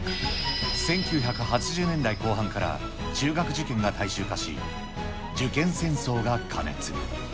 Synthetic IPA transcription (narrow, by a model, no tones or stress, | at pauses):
sẽ̞ŋkʲɨːçʲakɯ̟ɦat͡ɕiʑɨːnẽ̞nd̪aiko̞ːɦãŋkaɾa̰ | t͡ɕɨːɡakɯ̟ʑikẽ̞ŋɡat̪aiɕɨːkaɕḭ | d͡ʑɨkẽ̞ɰ̃sẽ̞ɰ̃so̞ːɡakʰa̰nḛt͡sɨ̰